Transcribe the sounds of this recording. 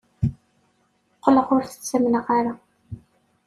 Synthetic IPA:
qːləʁʊɾθə̥t͡st͡sːəmnəʁaɾa

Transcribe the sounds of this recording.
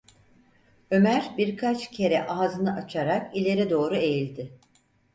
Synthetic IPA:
ø̞mæɾbiɾkʰat͡ʃcʰe̞ɾɛʔaɦzɯnɯʔat͡ʃʰaɾakilʲe̞ɾɛd̪o̞ːɾue̞jilʲd̪ɪ

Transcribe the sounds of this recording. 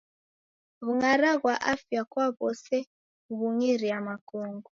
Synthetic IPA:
ɣuŋaɾaɣwaʔafjakwaβɔsɛ | uβuŋiɾiamakuːŋɡu

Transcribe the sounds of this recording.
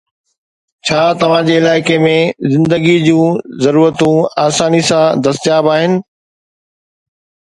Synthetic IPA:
t͡ɕʰaːt̪ɐʋ̤ãd͡ʑeɪlaːɪkemẽzɪ̃nd̪əɡid͡ʑũːzɐɾuːɾət̪ũaːsaːnisãd̪ɐst̪jaːbaːɦɪnɪ̆

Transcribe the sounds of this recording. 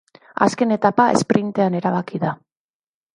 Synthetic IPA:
a̰ske̞ne̞t̪apae̞̰spɾint̪e̞ane̞ɾaβ̞akiða

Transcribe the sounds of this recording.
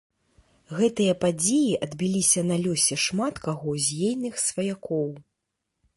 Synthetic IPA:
ɣɛt̪ɨjɐpad͡zʲejiʔɐd̪bʲilʲisʲɐnɐlʲɔsʲɛʂmat̪kaɣɔzʲjejnɨxsvɐjakɔw

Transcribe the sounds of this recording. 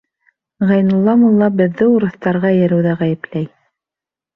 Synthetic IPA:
ʁɑjnŭlˠːɑmulˠːɑbɘ̆ðːɘuɾɤ̆θt̪ɑɾʁɑjɘ̆ɾɘ̆wðæʁæjɘ̆plæj

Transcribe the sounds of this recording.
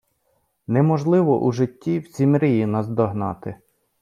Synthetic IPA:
nɛmɔʒlˠɪʋɔʔuʒɪtʲːiwzʲimɾʲijinɐzd̪ɔɦnɑt̪ɪ

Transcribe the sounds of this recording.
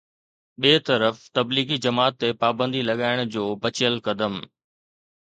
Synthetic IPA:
ɓeːt̪ɐɾəft̪ɐbliːɡid͡ʑɐmaːt̪ːepaːbə̃nd̪ilɐɠaːɪɽ̃d͡ʑoːbɐt͡ɕɪjəlkɐd̪əm

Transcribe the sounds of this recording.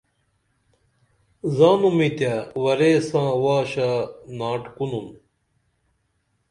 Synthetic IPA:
zaːnumit̪jawɐɾesãːwaːɕanaːʈkunun

